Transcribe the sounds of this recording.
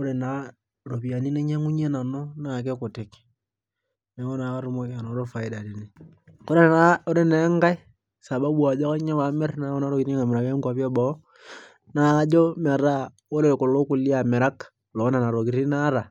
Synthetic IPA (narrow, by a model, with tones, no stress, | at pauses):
o˦ɾe˨na˨ | ɾo˨pi˨a˨ni˦ne˦ɲa˦ŋu˦ɲe˦na˨no˦na˨k̬e˦ko˨te˨k | ne˨˦wo˦na˨ka˦ɾu˦mo˦a˨no˨˦ɾo˦fa˨i˦da˨ɾi˨ni˨ | ko˦ɾe˦nao˦ɾe˦ne˦ŋɡa˦i˦ | sa˨ɓa˦ɓu˦a˨d͡ʒo˦ka˦ɲa˦βa˨me˦rna˦o˦na˦ɾo˦ki˨ɾi˦ŋa˨me˨ɾa˨ke˦ŋɡwa˨pi˦e˦ɓo˨˦ | na˨ka˦d͡ʒo˦ma˨ɾa˦ | o˦ɾe˨ko˨lo˦ku˨li˦a˨me˨ɾa˦k | lo˨˦na˨na˨ɾo˨ki˨ɾi˦na˦ɾa˨